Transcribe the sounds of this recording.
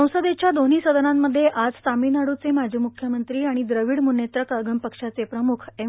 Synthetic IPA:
əwsəd̪et͡ɕjad̪on̤iːsəd̪ənamːəd̪ʱːjeʔad͡zsaminaɽut͡semad͡ʑʱiːmukʰjəmənt̪ɾiːaɽ̃id̪ɾəʋiɽmunet̪ɾəkəɡəmpəkʂat͡sepɾəmukʰe

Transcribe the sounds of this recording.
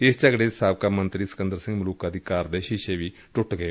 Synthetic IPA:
ɪst͡ʃəɡɽeːsaːbkaːmənt̪ɾiːsə̥kɪnd̪əɾsɪ̃ŋɡmʊluːkaːd̪iːkaːɾd̪eːʃɪʃeːʋiː | ʈʊʈɡəeː

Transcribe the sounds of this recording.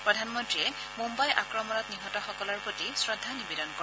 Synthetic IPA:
pɹɔdʱanmɔntɹiɛ | mumbajʔa̰kɹɔmɔnɔtniɦɔtɔxɔkɔlɔɹpɹotisɹɔdʱːanibedɔnkɔ

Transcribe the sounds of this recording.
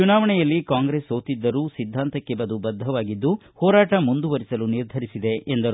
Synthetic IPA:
unaːʋɐɳɛjɐlːikaːŋɡɾeːsoːt̪id̪ːɐɾuːsid̪ʱːaːnt̪ɐkːɛbɐd̪ubɐd̪ʱːɐʋaːɡid̪ːuhɔːɾaːʈɐmund̪uʋɐɾisɐluniɾd̪ʱɐɾisid̪e̞ʔend̪ɐɾ

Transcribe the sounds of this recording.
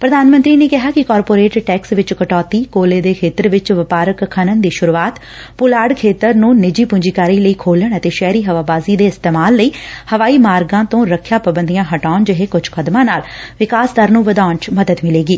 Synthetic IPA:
pɾəd̪aːnmənt̪ɾiːneːkɪɦaːkɪkaːɾpoːɾeːʈʈɛːksʋɪt͡ʃkəʈɔːt̪iːkoːleːd̪eːkʰeːt̪əɾʋɪt͡ʃʋəpaːɾəkkʰːənənd̪iːʃʊɾuːaːt̪ | pʊlaːɖkʰeːt̪əɾnũːnɪd͡ʒiːpʊ̃ɲd͡ʒiːkaːɾiːləiːkʰoːləɳət̪eːʃɛːɾiːɦəʋaːbaːziːd̪eːɪst̪eːmaːlːəiːhəʋaːiːmaːɾɡãːt̪õːɾəkʰːjaːpəbənd̪ijãːɦəʈaːʊnd͡ʒəɦeːkʊd͡ʒkʰəd̪mãːnaːlʋɪkaːsd̪əɾnũːʋəd̪aːʊɳt͡ʃməd̪əd̪mɪleːɡiː

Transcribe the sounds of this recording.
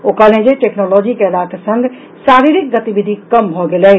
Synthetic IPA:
okəlẽd͡ʒeʈeknɔlɔd͡ʒikelakasəŋɡ | saɾiɾik̚ɡət̪ibʱid̪ʱikəmbʱɔɡelɛ

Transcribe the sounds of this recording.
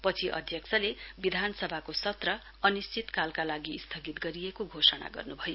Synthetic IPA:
pʌt͡sʰiʔʌ̰d̪ʱjʌkt͡sʰʌlebid̪ʱanʌsʌbʱakosʌt̪rʌ | ʌnist͡sit̪kalkalaɡist̪ʰʌɡit̪ɡʌɾijekoɡʱosʌna̰ɡʌ̰rnubʱʌjo

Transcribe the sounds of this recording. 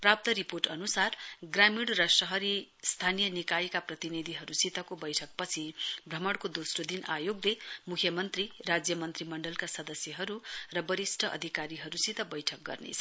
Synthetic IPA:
prap̚t̪ʌɾiporʈʌnusarɡramiɽrʌsʌɦʌɾist̪ʰanijʌnikajkaprʌt̪inid̪ʱiɦʌɾusit̪ʌkobʌjʈʰʌk̚pʌt͡sʰibʱrʌmʌɽkod̪osrod̪inajoɡlemukʰjʌmʌnt̪rirad͡zjʌmʌnt̪rimʌɳɖʌlkasʌd̪ʌsjʌɦʌɾurʌbʌɾisʈʰʌʔʌ̰d̪ʱikaɾiɦʌɾusit̪ʌbʌjʈʰʌk̚ɡʌ̰rnḛt͡sʰʌ

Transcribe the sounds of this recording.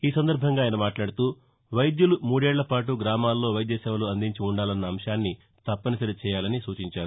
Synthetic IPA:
iːsɐnd̪ɐɾbʱɐŋɡaːjnɐmaːʈlaːɽut̪uː | ʋɐjd̪julumuːɽeːɭːɐpaːʈ̬uɡɾaːmaːlːo̞ːʋɐjd̪jɐsɛːʋɐluɐnd̪iɲt͡ʃiuɳɖaːlɐnːɐːmʂaːnːi | t̪ɐpːɐnɐsɐɾit͡ʃɛːjaːlɐnisuːt͡ʃiɲt͡ʃaːɾu

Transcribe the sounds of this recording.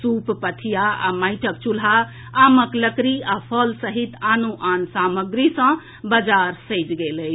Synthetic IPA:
suppət̪ʰijaa̰majʈʰəkt͡ʃulɦa | aməkləkɾiapʰəlsəɦit̪anuʔansaməɡɾisə̃ | bəd͡ʒaɾsəjt͡ʃɡeləjʰ

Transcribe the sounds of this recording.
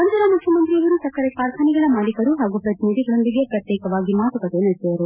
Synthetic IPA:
ɐnt̪ɐɾamukjɐmɐnt̪ɾijɐʋɐɾusɐkːɐɾekaːɾkʰaːniɡɐɭɐmaːlikɐɾuɦaːɡupɾɐt̪inid̪iɡɐɭond̪iɡeɐpjɐt̪ːɛjkɐʋaːɡimaːt̪ukɐt̪enɐɾsɐʋɐɾu

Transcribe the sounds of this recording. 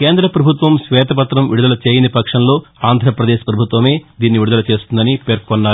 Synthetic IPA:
ke̞ːnd̪ɾɐpɾɐbʱut̪ʋɐmsʋɛːt̪ɐpɐt̪ɾɐmʋiɽud̪ɐlɐt͡ʃeːjɐnipɐkʂɐnlo̞ːaːnd̪ʱɾɐpɾɐd̪eːʃpɾɐbʱut̪ʋɐme̞ːd̪iːnːiʋiɽud̪ɐlɐt͡ʃe̞ːst̪und̪ɐnipeːɾkonːaːɾ

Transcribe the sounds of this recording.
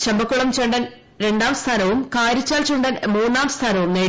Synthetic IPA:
t͡ɕembɐkːuɭɐmt͡ɕɐɳɖɐn | ɾe̞ɳɖaːmst̪ʰaːnɐʋumkaːɾit͡ɕːaːlt͡ɕɐɳɖɐnmuːnːaːmst̪ʰaːnɐʋumneː

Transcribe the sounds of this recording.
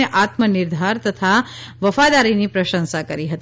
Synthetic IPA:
eʔat̪mənɪɾd̪ʱaɾt̪ət̪ʰaʋəfad̪aɾinipɾəʃə̃nsakəɾiɦət̪

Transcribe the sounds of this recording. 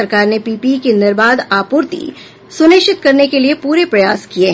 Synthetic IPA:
ɐɾkaːɾnepiːpikenəɾbaːd̪aːpuːɾt̪ḭ | sʊnɪʃɪt̪kɐɾnekeliepuːɾepɾɐjaːskie

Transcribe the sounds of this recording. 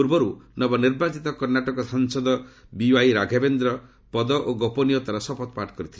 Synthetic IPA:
uɾbɔɾunɔbɔniɾbat͡ʃit̪ɔkɔɾnaʈɔkɔsɔŋsɔd̪ɔbiajɾaɡʱabend̪ɾɔ | pɔd̪ɔʔoɡɔpɔnijɔt̪aɾɔsɔpɔt̪paʈkɔɾit̪ʰil

